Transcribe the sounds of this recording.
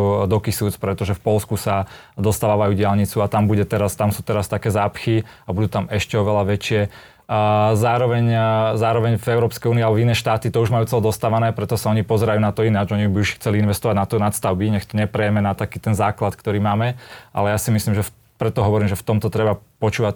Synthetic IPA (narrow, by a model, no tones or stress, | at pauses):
d̪ɔkisuːt͡spɾɛt̪ɔʒɛfpɔlskusa | d̪ɔst̪aːʋaːʋajuːɟɪalɲit͡suat̪ambuɟɛt̪ɛɾast̪amsuːt̪ɛɾast̪akɛːzaːpxi | abud̪uːt̪amɛʃcɛɔʋɛlaʋɛt͡ʃɪɛ | zaːɾɔʋɛɲzaːɾɔʋɛɲvɛʊɾɔːpskɛjuːniːalɛbɔvinɛːʃt̪aːt̪it̪ɔuʒmajuːt͡sɛlɛd̪ɔst̪aːʋanɛːpɾɛt̪ɔsaɔɲipɔzɛɾajuːnat̪ɔinad͡ʒɔɲibiuʃxt͡sɛliinʋɛst̪ɔʋaɟnat̪ɔnat̪st̪aʊbiɲɛxt̪ɔɲɛpɾɛjɛmɛnat̪akiːt̪ɛnzaːklat̪kt̪ɔɾiːmaːmɛa̰lɛjasimislimʒɛf | pɾɛt̪ɔɦɔʋɔɾiːmʒɛft̪ɔmt̪ɔt̪ɾɛbapɔt͡ʃuːʋac